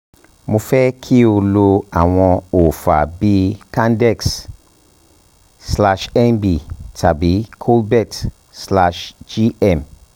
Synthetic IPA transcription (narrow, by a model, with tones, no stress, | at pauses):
mũ˧fɛ˦kʰi˦o˧lo˧a˨w̃ɔ̃˧o˨fa̰˨bi˦kã˦ndɛ˦˨ks | sla˧ʃɛ˦nbi˨tʰa˨bi˨˦kʰo˦lbɛ˦˨t | sla˧ʃd͡ʒi˦ɛ˨m